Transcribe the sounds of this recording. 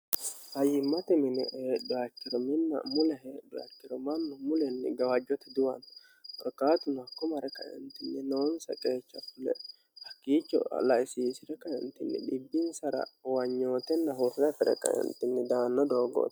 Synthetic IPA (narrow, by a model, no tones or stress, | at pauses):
hɐjːɪmːɐt̪ɛmɪnɛ̰ʔeːɗːɔɐkːɪɾɔmɪnːɐ̰mʊlɛɦeːɗːɔɐ̰kːɪɾɔmɐnːʊmʊlɛnːɪ̰ɡɐwɐd͡ʒːɔt̪ɛd̪ʊwɐn | ɔlkːaːt̪ʊnɐkːɔmɐɾɛkɐ̰jɛ̰nt̪ɪnːɪnoɔnsɐ̰kʼe̞ːt͡ʃːɐfʊlɛ̰ | hɐkːiːt͡ʃːɔ̰lɐɪsiːsɪɾɛkɐjɛnt̪ɪnːɪ̰ᶑɪbːɪnsɐɾɐ̰wɐɲːo̞ːt̪ɛnːɐɦufɪɾɐfɛɾɛ̰kɐ̰jɛ̰nt̪ɪnːɛd̪aːnːɔd̪o̞ːɡo̰ːt̪